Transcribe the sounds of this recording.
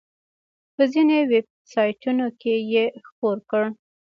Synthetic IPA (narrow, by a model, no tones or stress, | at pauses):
pəzineweb̚sɑjʈunokejexpoɾkəɽ